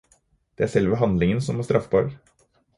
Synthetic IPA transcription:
d̪̥ɛæːʂɛlʋəɦɑnd̪lɪŋənsɔmæst̪ɾʔɑfbɑ̰ːɾɡ

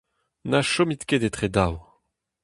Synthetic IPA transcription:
naʃomit̪kʲed̪et̪χed̪aw

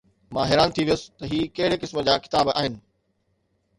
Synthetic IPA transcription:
mãːɦɛːɾaːnt̪ʰiʋijʊsɪ̥t̪ɐɦiːkɐɦɪɽekɪsmə̆d͡ʑaːkɪ̥t̪aːbʔa̰ːɦɪnɪ̆

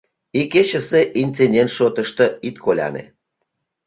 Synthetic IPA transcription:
iket͡ɕə̆seʔint͡sendʲent̪ʃot̪əʃt̪ə̆it̪kʰolʲɑ̰nḛ

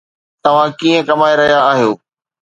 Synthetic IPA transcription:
t̪ɐʋ̤ãkiːə̃kɐmaːeɾɐɦijaaːɦijoː

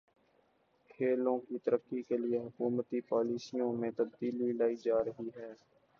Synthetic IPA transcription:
kʰeːlõkit̪əɾəkːikelieɦʊkuːmət̪ipaːliːsijõmẽt̪ɐb̚d̪iːlwilaːid͡ʒaːɾəɦiɦɛː

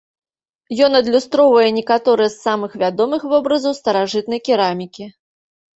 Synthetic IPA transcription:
jɔnɐd̪lʲust̪ɾɔwvɐjɛnʲɛkat̪ɔɾɨjɛsːamɨxvʲad̪ɔmɨxvɔbɾɐzɐwst̪ɐɾaʐɨt̪̚nɐjkʲiɾamʲikʲi

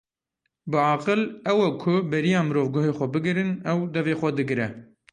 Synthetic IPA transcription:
bɨɑːqɨlɛwɛkʰʊbɛɾijɑːmɨɾoːvɡoɦeːxʷɛbɨɡɨɾɨnɛwd̪ɛveːxʷɛd̪ɨɡɾɛ

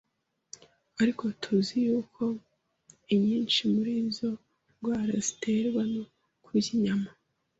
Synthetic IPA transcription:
aɾiko̞tʰuzijuːkʰo̞ | iɲiːnʃimuɾizo̞ | ɡwaːɾazite̞ːɾɡwano | kuɟiɲama

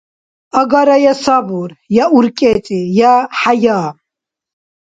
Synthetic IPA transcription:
ɐɡaɾɐjɐsabuɾjauɾkʼet͡sʼijaħajaː

